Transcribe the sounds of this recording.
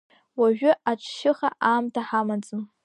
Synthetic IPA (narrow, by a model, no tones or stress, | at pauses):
waʒᶣʏʔaʈ͡ʂʰʃɪχa̰ʔaːmtʰaħamat͡sʼɨm